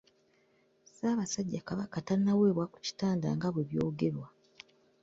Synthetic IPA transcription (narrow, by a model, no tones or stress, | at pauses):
saːβasaɟːakaβakatanːawe̞ːβwaku̥ci̥taːnda̰ŋɡaβwe̞βjo̞ːɡe̞ɾwa